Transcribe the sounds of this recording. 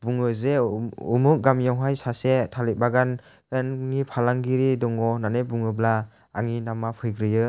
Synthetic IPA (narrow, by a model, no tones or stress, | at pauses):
buŋɯzeṵmuk̚ɡamjawɦajsasetʰalibaɡan | ɡanŋipʰalaŋɡiɾidɔŋɔnanebuŋɯbla | aŋinamapʰɯjɡɾɯjɯ